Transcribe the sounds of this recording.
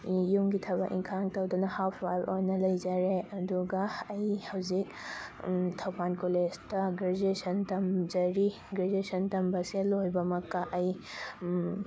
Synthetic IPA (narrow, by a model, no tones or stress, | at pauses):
jumɡitʰɐbɐkʔḭŋkʰaŋtɐwdunɐhapʰwajɾʔojnɐlɐjd͡ʒaɾeɐduɡɐɐjhɐwzik̚ | tʰɐwpʰankoled͡ʒtɐɡɾed͡ʒesɐntɐmd͡ʒɐɾi | ɡɾed͡ʒesɐntɐmbɐselojbɐmɐkːɐʔɐj